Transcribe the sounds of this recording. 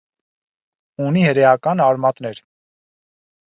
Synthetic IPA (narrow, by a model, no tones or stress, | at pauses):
unihəɾɛɑkɑnɑɾmɑt̪nɛɾ